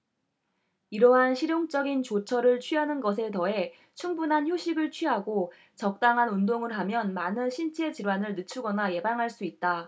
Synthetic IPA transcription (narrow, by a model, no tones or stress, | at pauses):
iɾʌɦanɕʰiɾjoŋt͡ɕ͈ʌɡint͡ɕot͡ɕʰʌɾɯɭt͡ɕʰɥiɦanɯnɡʌs̬ʰe̞tʌe̞ | t͡ɕʰuŋbunɦançjoɕʰiɡɯɭt͡ɕʰɥiɦaɡo | t͡ɕʌk̚t͈aŋɦanundoŋɯɭɦamjʌnmanɯnɕʰint͡ɕʰe̞t͡ɕiɾwanɯɭnɯt͡ɕʰuɡʌnaje̞baŋɦaɭs͈uit̚t͈a